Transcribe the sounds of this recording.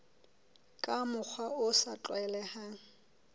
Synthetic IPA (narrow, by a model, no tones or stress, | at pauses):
kʼamʊk͡xʰwaʊsat͡ɬʼwɛlɛhaːŋ̩